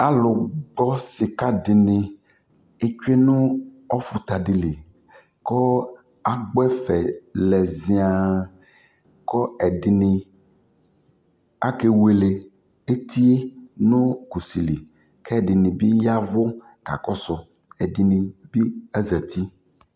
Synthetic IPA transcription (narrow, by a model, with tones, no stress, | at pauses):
a˦lʊ˨ɡ͡bɔ˦sɪ˨ka˦ɖɪ˨nɪ̃˨ | e˦t͡ʃu˦e˦nʊ̃˦ | ɔ˦fʊ˨t̪a˨ɖɪ˨le˨ | kɔ˦ | a˨ɡ͡bɛ˦fɛ˨lɛ˨zi˦a˨ | kɔ˦ɛ˨ɖɪ˨nɪ̃˨ | a˦ke˨we˨le˨ | e˦t̪ʰi˦e˦nʊ̃˦ku˨si˨li˨ | kɛ˦˨ɖɪ˨nɪ̃˨bi˦ja˦vʊ˦ | ka̰˨kɔ˦sɔ˨ | ɛ˨ɖɪ˨nɪ̃˨bi˦ɛ˦zɛ˨t̪ʰi˦